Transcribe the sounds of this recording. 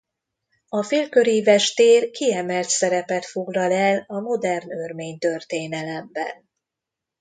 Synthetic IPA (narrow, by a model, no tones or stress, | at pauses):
ɒfeːlkø̞ɾivɛʃt̪eːrkiɛmɛlt̪sɛɾɛpɛt̪fo̞ɡlɒlɛlɒmo̞d̪ɛrnørmeːɲt̪ørt̪eːnɛlɛmbɛ̰n